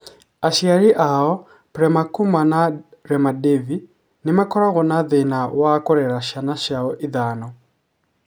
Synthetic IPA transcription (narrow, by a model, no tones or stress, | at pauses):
aʃiaɾiʔaɔ | pɾɛmakumanaɾɛmadɛvi | nimakɔɾaɣɔnaðɛnawakɔɾɛɾaʃanaʃaɔʔiðanɔ